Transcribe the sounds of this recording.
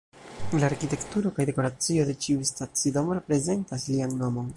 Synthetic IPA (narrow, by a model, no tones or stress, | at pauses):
laːɾkite̞ktuɾo̞kajde̞ko̞ɾat͡sio̞de̞t͡ʃiustat͡sidomoɾe̞pɾe̞ze̞ntaslianːo̞mo̞n